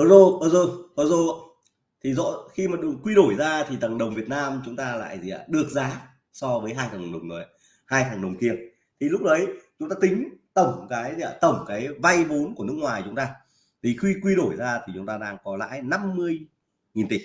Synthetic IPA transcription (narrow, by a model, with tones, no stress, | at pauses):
wzo˨˩ɓəː˧˩wzo˨˩ɓaː˧wzo˨˩˧ | t̪ʰi˨˩zɔ̰˧˨xi˧maː˨˩ɗkwi˧ɗo˧˩jzaː˧t̪ʰi˨˩t̪ə˨˩ŋɗə˨˩wŋ͡mvi˨˩ət̚naː˧mt͡ɕʊ˨˦ŋ͡mt̪aː˧la̰ː˧˨jzi˨a̰ː˧˩ɗɨ˨˩ək̚zaː˨˦ | sɔ˧vəː˨˦jɦaː˧jt̪ʰaː˨˩˨ɗə˨˩wŋ͡mzo˨˩j | haː˧jt̪ʰaː˨˩ŋɗə˨˩wŋ͡mki˨˩əŋ̚ | t̪ʰi˨˩lʊ˦˥k͡p̚ɗə˨˦jt͡ɕʊ˨˦ŋ͡mt̪aː˧t̪ï˨˦ŋ̟t̪ə˧˩wŋ͡mkaː˨˦jzi˧a˧˨˧t̪ə˧˩wŋ͡mkaː˨˦jva˧jvo˨˦nku˧˩ənɨ˦˥ək̚ŋwaː˨˩jt͡ɕʊ˨˦ŋ͡mt̪aː˧ | t̪ʰi˨˩xwi˧kwi˧ɗo˧˩jzaː˧t̪ʰi˨˩t͡ɕʊ˨˦ŋ͡mt̪aː˧ɗaː˧ŋkɔ˨˦la̰ː˧˥jna˧mːɨ˧əj | ŋi˨˩nt̪i˨˧˩